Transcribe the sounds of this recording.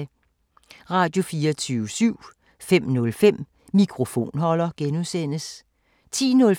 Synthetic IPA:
ʁɑ̈ːd̥jo̝fiːɐt͡sʰyːʊəsyʊ̰ | fem̰nɔ̽lfem̰ | mikʰʁo̝fo̝̰ːnɦɒ̽lɐɡ̥enuðˠsen̰əs | t͡sʰḭːnɔ̽l

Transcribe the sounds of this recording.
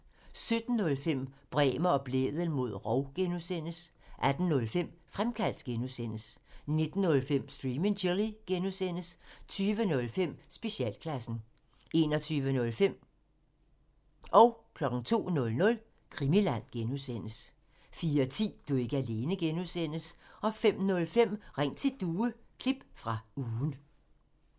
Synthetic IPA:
sød̥n̩ːɔ̽lfem̰b̥ʁɛːmɐɒ̽b̥lḛːðˠən̩mo̝ð̞̰ˠʁɒʊɡ̥enusen̰əs | ʔæd̥n̩nɔ̽lfem̰fʁamkʰæl̰d̥ɡ̥enusen̰əsne̝d̥n̩ːɔ̽lfem̰sd̥ʁimeŋɕʰelˠiɡ̥enusen̰əst͡sʰyːʋənɔ̽lfem̰sb̥e̝ɕiɛ̰ːlkʰlæsn̩ | e̝ːnɒ̽t͡sʰyːʋənɔ̽lfem̰ | ʔɒ̽ʊkʰlɒ̽ɡ̥ŋ̩t͡sʰo̝̰ːnɔ̽lnɔ̽l | kʰʁimilæn̰ɡ̥enusen̰əs | fiːɐɒt͡sʰḭːd̥ue̝ɡ̥əæle̝ːnəɡ̥enuðsen̰əsɒ̽fem̰nɔ̽lfem̰ʁeŋ̰t͡sʰe̝ld̥uːəkʰlib̥fʁɑ̈uːn

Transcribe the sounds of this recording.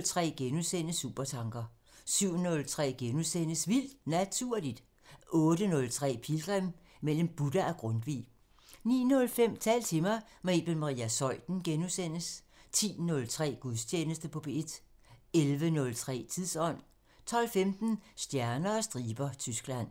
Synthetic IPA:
lt͡sʰʁɛ̰ːɡ̥enuðˠsen̰əsṵːb̥ɐt͡sʰɑ̈ŋɡ̥ɐ | syʊ̰nɔ̽lt͡sʰʁɛ̰ːɡ̥enuðˠsen̰əsʋil̰d̥næt͡sʰuɐ̰lid̥ | ʔɔ̽ːd̥ənɔ̽lt͡sʰʁɛ̰ːpʰilɡ̥ʁɛm | mel̰mb̥ud̥ɐʔæɡ̥ʁɔ̽nd̥ʋḭː | nḭːnɔ̽lfem̰t͡sʰɛ̰ːlt͡sʰe̝mɑ̈ɪ | meb̥elmɑʁḭːæsɒ̽ɪd̥n̩ɡ̥enuðˠsen̰əs | t͡sʰḭːnɔ̽lt͡sʰʁɛ̰ːɡ̥uðˠst͡ɕʰjeːnəsd̥əpʰɒ̽b̥e̝d̥ | elʋənɔ̽lt͡sʰʁɛ̰ːt͡sʰið̰ˠsɒ̽n̰ | t͡sʰɒ̽l̰femd̥n̩sd̥jæɐnɐ̽ːsd̥ʁiːb̥ɐt͡sʰysɡ̥læn̰

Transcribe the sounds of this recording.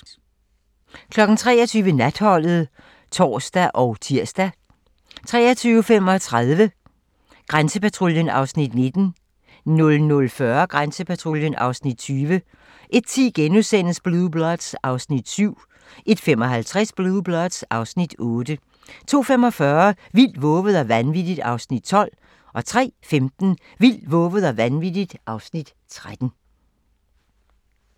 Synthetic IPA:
kʰlɒ̽ɡ̥n̩t͡sʰʁɛ̰ːɐt͡sʰyːʋənæd̥hɒ̽l̰ð̞̩ˠ | t͡sʰɒ̰ːsd̥æʔɒʊt͡sʰiɐ̰sd̥æ | t͡sʰʁɛ̰ːɐt͡sʰyːʊfem̰ɒ̽t͡sʰʁaðˠʋə | ɡ̥ʁansəpæt͡sʰʁo̝ljənɑ̈ʊsnid̥ne̝d̥n̩ | nɔ̽lnɔlfɶɐɡ̥ʁansəpʰæt͡sʰʁo̝ljənʔɑ̈ʊsnid̥̚t͡sʰyːʋə | ʔe̝d̥̚t͡sʰiːɡ̥enusen̰̩sb̥luðˠb̥lɒd̥sɑ̈ʊsnid̥syʊ̰ | ʔe̝d̥fem̰ɒ̽ɦælt͡sʰʁasb̥luːb̥lɒd̥sɑ̈ʊsnid̥ɔ̽ːd̥ə | t͡sʰo̝̰ːfemɒ̽fɶɐ | ʋil̰d̥ʋɔ̽ːʋəð̞̩ˠɒʋænʋid̥id̥ɑ̈ʊsnid̥̚t͡sʰɒ̽l̰ | ʔɒ̽t͡sʰʁɛ̰ːfemd̥n̩ | ʋil̰̥ʋɔ̽ːʋəð̞̩ˠɒʋænʋid̥id̥ʔɑ̈ʊsnid̥ | t͡sʰʁad̥n̩

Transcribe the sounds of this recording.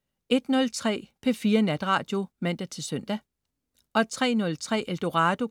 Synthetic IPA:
e̝d̥nɔ̽lt͡sʰʁɛ̰ːpʰe̝fiːɐnæd̥ʁɑ̰̈ːd̥jo̝mæn̰d̥æt͡sʰe̝lsœn̰d̥æ | ʔɒ̽t͡sʰʁɛ̰ːnɔ̽lt͡sʰʁɛ̰ːʔeld̥o̝ʁɑ̈ːd̥o̝

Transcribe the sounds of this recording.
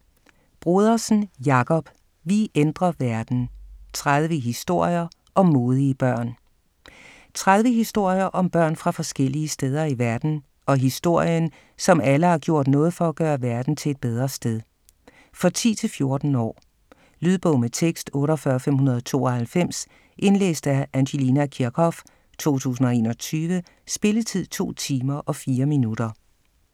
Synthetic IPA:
b̥ʁuð̞ˠɐsn̩jɑ̈kʰɒ̽b̥ | ʋiʔend̥ʁɐʋæɐd̥n̩t͡sʰʁað̞ˠʋəɦisd̥o̝ɐ̰jɐ | ʔɒ̽mːo̝ːð̞ˠiəb̥ɶɐ̰n | t͡sʰʁað̞ˠʋəɦisd̥o̝ɐ̰jɐʔɒ̽mb̥ɶɐ̰nfʁɑ̈fɒ̽sɡ̥el̰iəsd̥eːð̞ˠɐiʋæɐd̥n̩ | ɒ̽ɦisd̥o̝ɐ̰jən | sɒ̽mæləhɑ̈ɡ̥jo̝ɐ̰d̥nɔ̽ːð̞̩ˠfɒ̽æɡ̥ɶːɐʋæɐd̥n̩t͡sʰe̝ed̥̚b̥eð̞ˠʁɐsd̥eðˠ | fʁɑ̈t͡sʰḭːt͡sʰe̝lfjo̝ɐd̥n̩ɒ̰ː | lyð̞ˠb̥ɔʊmət͡sʰeɡ̥sd̥ɔ̽ːɾɒfɶːɐfem̰ɦunɐð̞ˠt͡sʰo̝̰ːɒ̽hælfem̰s | ʔe̝nlḛːsd̥æænɕe̝linækʰiɐkʰɒ̽f | t͡sʰo̝̰ːt͡sʰṵːsn̩ɒ̽e̝ːnɒ̽t͡sʰyːʋə | sb̥e̝lət͡sʰið̰ˠt͡sʰo̝̰ːt͡sʰiːmɐʔɒ̽fiːɐminud̥ɐ

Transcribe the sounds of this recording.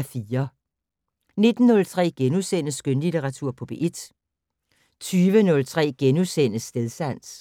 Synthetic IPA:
fiːɐ | ne̝d̥n̩ːɔ̽lt͡sʰʁɛ̰ːɡ̥enusen̰əsɡ̥ønlit͡sʰeʁɑ̈t͡sʰuɐ̰pʰɔ̽b̥eʔed̥ | t͡sʰyːʋənɔ̽lt͡sʰʁɛ̰ːɡ̥enusen̰əsːd̥eðˠsæn̰s

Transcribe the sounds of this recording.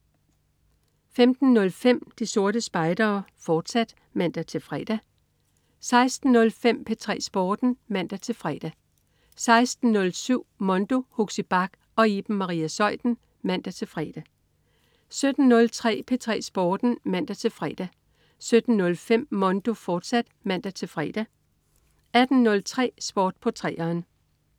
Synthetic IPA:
femd̥n̩nɔ̽lfem̰d̥iso̝ɐɾəsb̥ɑ̈ɪd̥ɐːfɒːd̥sæd̥ | mæn̰d̥æt͡sʰe̝lfʁɛ̰ːd̥æ | sɑ̈ɪsd̥n̩ːɔ̽lfem̰pʰe̝t͡sʰʁɛ̰ːsb̥ɒːd̥n̩mæn̰d̥æt͡sʰe̝lfʁɛ̰ːd̥æ | sɑ̈ɪsd̥n̩nɔ̽lsyʊ̰mɔ̽nd̥o̝hoɡ̥sib̥ɑ̈ɡ̥ | ɒ̽iːb̥n̩mɑ̈ʁḭːæsɒ̽ɪ̰d̥n̩ | mæn̰d̥æt͡sʰe̝lfʁɛ̰ːd̥æ | sød̥n̩ːɔ̽lt͡sʰʁɛ̰ːpʰe̝t͡sʰʁɛ̰ːsb̥ɒːd̥n̩mæn̰d̥æt͡sʰe̝lfʁɛ̰ːd̥æ | sød̥n̩nɔ̽lfem̰ːɒ̽nd̥o̝fɒːd̥sæd̥mæn̰d̥æt͡sʰe̝lfʁɛ̰ːd̥æ | æd̥n̩nɔ̽lt͡sʰʁɛ̰ːsb̥ɒːd̥̚pʰɒ̽t͡sʰʁɛ̰ːɐːn

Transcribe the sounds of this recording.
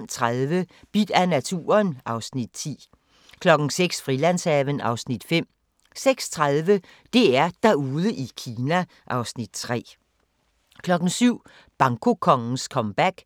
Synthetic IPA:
mt͡sʰʁaðˠʋəb̥id̥ænæt͡sʰṵːɐnʔɑ̈ʊsnid̥̚t͡sʰḭː | kʰlɒ̽ɡ̥n̩seɡ̥sfʁilæn̰sɛʋənɑ̈ʊsnid̥fem̰ | seɡ̥st͡sʰʁaðˠʋə | d̥e̝æɐd̥æuːðˠəʔikʰiːnæ | ʔɑ̈ʊsnid̥̚t͡sʰʁɛ̰ː | kʰlɒ̽ɡ̥n̩syʊ̰ | b̥ɑ̈ŋkʰo̝kʰɒ̽ŋn̩skʰɒ̽mb̥æɡ̥

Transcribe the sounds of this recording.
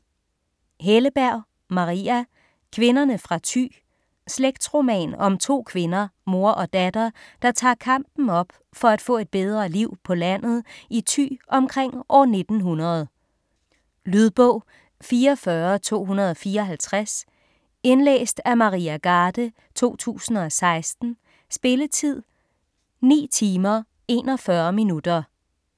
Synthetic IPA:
ɦeləb̥æɐ̰ | mɑ̈ʁiæ | kʰʋe̝nɐnəfʁɑ̈t͡sʰy̰ː | sleɡ̥̚d̥sʁo̝mɛ̰ːnɒ̽mt͡sʰo̝̰ːkʰʋe̝nɐmo̝ɐʔɒ̽d̥æd̥ɐd̥ɑ̈t͡sʰɑ̰̈ːkʰɑ̈m̰b̥n̩ɒ̽b̥ | fɒ̽æd̥fɔ̰̽ːe̝d̥̚b̥eð̞ˠʁɐliʊ̰pʰɒ̽læn̰ð̞̩ˠʔit͡sʰy̰ːʔɒ̽mkʰʁeŋ̰ʔɒne̝d̥n̩ɦunɐð̞̩ˠ | lyðˠb̥ɔʊ̰ | fiːɐɒfɶːɐt͡sʰo̝̰ːɦunɐð̞ˠɒ̽fiːɐɒ̽ɦælt͡sʰʁas | e̝nlḛːsd̥æmɑ̈ʁḭːæɡ̥ɑːd̥ə | t͡sʰo̝̰ːt͡sʰṵːsn̩ɒ̽sɑ̈ɪsd̥n̩ | sb̥e̝lət͡sʰið̰ˠ | nḭːt͡sʰiːmɐ | e̝ːnɒ̽fɶɐminud̥ɐ

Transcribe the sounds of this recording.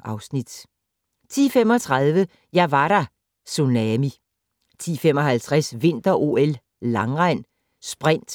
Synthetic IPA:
ɑ̈ʊsnid̥ | t͡sʰḭːfem̰ɒ̽t͡sʰʁɑðˠʋə | jɑʋɑɾ̥ɑ | sunɛmi | t͡sʰḭːfemɒ̽ɦælt͡sʰʁasʋe̝n̰d̥ɐʔo̝ːel | lɑ̈ŋʁɑɪ̰n | sb̥ʁɛn̰d̥

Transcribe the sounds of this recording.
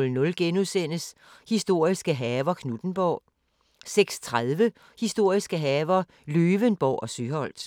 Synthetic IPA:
lnɔ̽lɡ̥enuðˠsen̰əs | hisd̥o̝ɐ̰isɡ̥əɦɛːʋɐkʰnud̥n̩b̥ɒʊ̰ | seɡ̥st͡sʰʁaðˠʋə | hisd̥o̝ɐ̰isɡ̥əɦɛːʋɐ | løːʋənb̥ɒʊ̰ʔɒ̽syhɒ̽l̰d̥

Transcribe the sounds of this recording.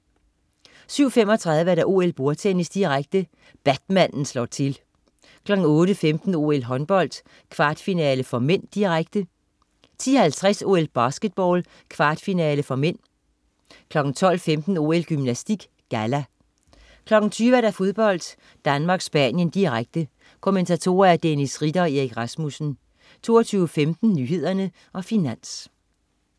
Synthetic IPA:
syʊ̰femɒ̽t͡sʰʁɑ̈ð̞ˠʋəæɐɾ̥æʔo̝̰ːelb̥o̝ɐt͡sʰenisd̥iʁaɡ̥̚d̥ə | b̥æd̥mæn̰n̩slɒt͡sʰe̝l | kʰlɒ̽ɡ̥n̩ɔ̽ːɾəfemd̥n̩o̝̰elɦɒ̽nb̥ɒ̽l̰d̥ | kʰʋɑ̈ːd̥finɛːləfɒ̽men̰d̥iʁaɡ̥d̥ə | t͡sʰḭːɐhælt͡sʰʁaso̝ːelb̥ɑ̈ːsɡ̥əd̥̚b̥ɒːl | kʰʋɑ̈ːd̥finɛːləfɒ̽men̰ | kʰlɒ̽ɡ̥n̩t͡sʰɒ̽l̰femd̥n̩o̝̰ːelɡ̥ymnæsd̥iɡ̥ | ɡ̥ælæ | kʰlɒ̽ɡ̥n̩t͡sʰyːʋæɾ̥æfo̝ð̞ˠb̥ɒ̽l̰d̥ | d̥ænmɑ̈ːɡ̥sb̥ænjənd̥iʁaɡ̥̚d̥ə | kʰo̝ment͡sʰæt͡sʰo̝̰ːɐæɐd̥enisʁid̥ɐeʁiɡ̥ʁɑ̈smusn̩ | t͡sʰo̝̰ːɐt͡sʰyːʊəfemd̥n̩nyːɦe̝ð̞̰ˠɐnə | ʔɒ̽finæn̰s

